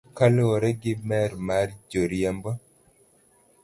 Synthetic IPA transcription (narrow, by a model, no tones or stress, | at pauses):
kalɔɾɛɡɪmɛɾmaɾd͡ʒoɾjɛmbɔ